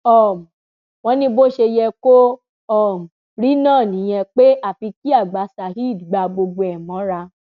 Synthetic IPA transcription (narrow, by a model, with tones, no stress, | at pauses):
ɔ˨m˨ | w̃ɔ̃˧˦nĩ˧˦bo˦ʃe˧jɛ˧ko˦ | ɔ˦˨m̩˨ | ɾi˦nãː˦˨nĩ˨˦j̃ɛ̃˧k͡pe˦a˦˨fi˧ki˦a˦˨ɡ͡ba˨˦sa˨ɦi˦i˦˨dɡ͡ba˧ɡ͡bo˧ɡ͡bo˧ɛ˨mɔ̃˨˦ɾa˧